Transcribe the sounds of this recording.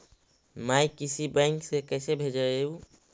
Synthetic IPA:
maːikɪsibɛ̃ːŋksekɛːsebʱed͡ʒəeːũ

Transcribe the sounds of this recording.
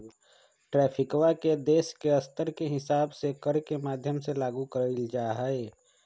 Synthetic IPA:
ʈɾɛːpʰɪkwaked̪eːskeɐst̪əɾkeɦɪsaːbsekəɾkemaːd̪ʱjəmselaːɡukəɾəld͡ʒaːɦaeː

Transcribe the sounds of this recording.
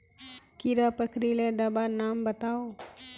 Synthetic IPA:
kiɾapəkɾiled̪ɐbanaːmbət̪aːoː

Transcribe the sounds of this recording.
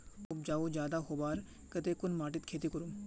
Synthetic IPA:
ʊp̚d͡ʒaːʋod͡ʒjaːd̪aɦobaːɾ | kət̪ekʊnmaːʈɪt̪kʰeːt̪ikʊɾum

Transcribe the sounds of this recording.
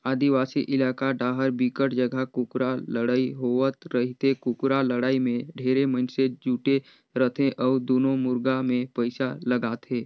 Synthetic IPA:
aːd̪iʋaːsiʔɪlaːkaɖaːɦəɾbiːkəʈd͡ʒəɡʱakʊkɾaləɽaːiɦoət̪ɾəɦɪt̪ekʊkɾaləɽaːimẽɖʱeːɾeməɪnsed͡ʒuːʈe | ɾət̪ʰẽʔɔːɾd̪oːnõmʊɾɡamẽpəɪsaləɡaːt̪ʰeː

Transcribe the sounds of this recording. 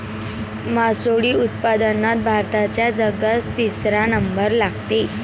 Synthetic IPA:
masoɽiːut̪̚pad̪ənːat̪̚bʱaɾt̪at͡ɕjad͡zəɡəst̪isɾanəmbəɾlaɡt̪e

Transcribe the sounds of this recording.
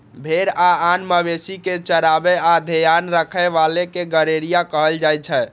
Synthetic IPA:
bʱeɾaanməbesiket͡ʃəɾabead̪ʱejanɾəkʰəʋalekeɡəɾeɾijakəɦəld͡ʒajt͡ʃʰɛ

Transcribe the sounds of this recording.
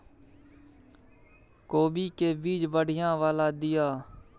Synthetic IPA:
koːbiːkeːbiːd͡ʒbəɽ̤ɪjãːʋaːlaːd̪ɪjaː

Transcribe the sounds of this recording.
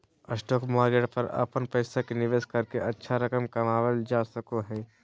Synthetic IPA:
əsʈoːkmaːɡeɽpəɾə̰pənpəɪsakenɪʋeːskəɾkeʔɐtːʃʰaɾəkəmkɐmaːwəld͡ʒaːsəkoɦɛː

